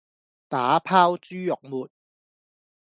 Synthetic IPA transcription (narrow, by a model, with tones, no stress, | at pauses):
t̪aː˨˥pʰaː˥wt͡ʃyː˥jʊ˨k̚muː˨t̚